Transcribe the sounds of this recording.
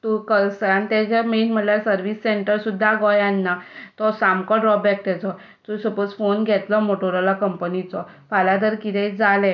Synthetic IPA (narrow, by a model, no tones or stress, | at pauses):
t̪ukəsanit̪ɛd͡ʑɔmenm̤əʈlasəɾʋisːeɳʈəɾsud̪ʱːaɡɔjanːat̪ɔsamkɔɖɾɔbɛk̚t̪ɛt͡sɔ | t̪usəpət͡sfonɡʱɛt̪lɔmoʈoɾɔlakəmpənit͡sɔfalad̪əɾkit̪ʰɛd͡zalɛ